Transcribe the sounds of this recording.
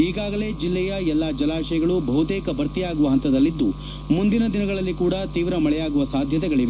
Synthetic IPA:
iːɡaːɡɐle̞ːd͡ʒilːɛjɐɛlːaːd͡ʒɐlaːʃɐjɐɡɐɭubʱɐɦut̪eːkɐbʱɐɾt̪ijaːɡuʋɐɦɐnt̪ɐd̪ɐlːid̪ːu | mund̪inɐd̪inɐɡɐɭɐlːikuːɽɐt̪iːʋɾɐmɐɭɛjaːɡuʋɐsaːd̪ʱjɐt̪ɛɡɐɭiʋe

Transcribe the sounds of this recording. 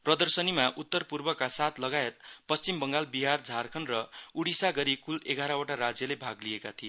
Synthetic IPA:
prʌd̪ʌrsʌnimaʔut̪ːʌrpurbʌkasat̪ʰlʌɡaet̪̚pʌst͡simbʌŋɡalbiɦard͡zʱarkʰʌnrʌuɽisaɡʌɾikuleɡʱaɾʌwaʈaɾad͡zjʌlebʱaɡlijekat̪ʰije

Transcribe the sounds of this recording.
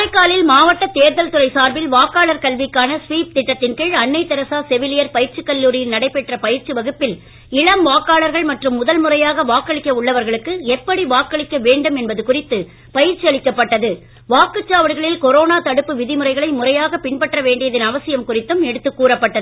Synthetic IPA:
ɐɪkːaːlɪlmaːʋɐʈːɐt̪eːɾðɐlt̪ʊrɐɪsaːɾbɪlʋaːkːaːɭɐɾkɐlʋɪkːaːnɐsʋiːp̚t̪ɪʈːɐt̪ːɪnkɯɻɐɳːɐɪt̪ːɛɾɐsaːsɛʋɪlɪjɐɾpɐjɪɾt͡ʃɯkːɐlːuːɾɪjɪlnɐɽɐɪpːɛʈrɐpɐjɪɾt͡ʃːɯʋɐɣɯpːɪl | ɪɻɐmʋaːkːaːɭɐɾɣɐɭmɐʈrɯmːʊðɐlmʊrɐjaːɣɐʋaːkːɐɭɪkːɐʊɭːɐʋɐɾɣɐɭɯkːɯɛpːɐɽiʋaːkːɐɭɪkːɐʋeːɳɖɯmɛnbɐðɯkʊrɪt̪ːɯ | pɐjɪɾt͡ʃːiɐɭɪkːɐpːɐʈːɐðɯ | ʋaːkɯt͡ʃːaːʋɐɽɯɣɐɭɪlkɔɾoːnaːt̪ɐɽɯpːɯʋɪðɪmɯrɐɪɣɐɭɐɪmʊrɐjaːɣɐpɪɳpɐʈrɐʋeːɳɖɪjɐðɪnɐʋɐsɪjɐmkʊrɪt̪ːɯmɛɽɯt̪ːɯkːuːrɐpːɐʈːɐðɯɯ

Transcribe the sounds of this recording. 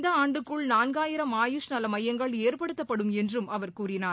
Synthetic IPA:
d̪ɐaːɳɖɯkːɯɭnaːnɡaːjɪɾɐmaːjʊʂnɐlɐmɐjːɐŋɡɐɭeːɾpɐɽɯt̪ːɐpːɐɽɯmɛndrɯmʔɐʋɐɾkuːɾɪnaː

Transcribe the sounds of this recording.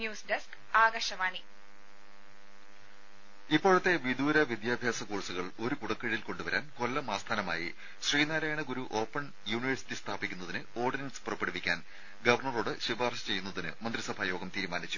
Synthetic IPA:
njuːsdɐsk | aːɡɐʂɐmaːɳi | ipːo̞ːɻut̪ːe̞ʋid̪uːɾɐʋid̪jaːb̪ʱjaːsɐkuːɻɐsuɣɐɭo̞ɾukuɽɐkːɐɻiilko̞ɳɖuʋɐɾʔa̰ːnko̞lːɐmaːst̪ʰaːnɐma̰ːjḭ | ɕriːnaːɾaːjɐɳɐɡuɾuʔo̞ːpːɐɳ | juːniʋɐrsi̥tːist̪ʰaːbikʲːunːɐðinɨo̞ːrɖinɐnspurɐpːeɽuʋikʲːa̰ːn | ɡɐʋɐrɳɐroːɽɨɕibaːrɕɐ̥t͡ɕe̞junːɐðinɨ̰mɐnd̪risɐbʱaːjo̞ːɡɐmt̪iːɾumaːnit͡ɕːu̥

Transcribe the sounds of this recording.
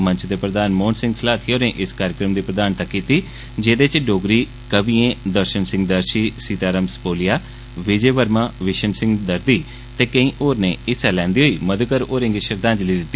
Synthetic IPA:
mə̃ɲt͡ʃd̪eːpɾəd̪aːnmoːnsɪ̃ŋɡsəlaːt̪ʰioːneːʔɪskaːɾjɪkɾəmd̪iːpɾəd̪aːnt̪əkːiːt̪iː | d͡ʒeːd̪et͡ʃɖoːɡɾiː | kəbiːẽːd̪əɾʃənsɪ̃ŋɡ̚d̪əɾʃiːsiːt̪aːɾəmspoːlɪjaː | ʋɪd͡ʒeːʋəɾmaːʋɪʃənsɪ̃ŋɡd̪əɾd̪iː | t̪eːkəĩːʔoːɾneːɪsɛːlɛ̃ːnd̪iːɦoiːməd̪kəɾoːɾẽːŋɡiːʃəɾd̪ãːɲd͡ʒliːd̪ɪt̪ːi

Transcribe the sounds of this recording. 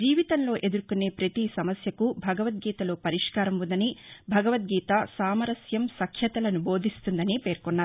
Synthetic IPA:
d͡ʒiːʋit̪ɐnlo̞ːʔe̞d̪uɾkune̞ːpɾɐt̪isɐmɐsjɐkubʱɐɡɐʋɐt̪̚ɡiːt̪ɐlo̞ːpɐɾiʂkaːɾɐmʋund̪ɐnibʱɐɡɐʋɐt̪̚ɡiːt̪ɐsaːmɐɾɐsjɐmsɐkʰjɐt̪ɐlɐnubo̞ːd̪ʱist̪und̪ɐnipe̞ːɾkɔnːaːɾu

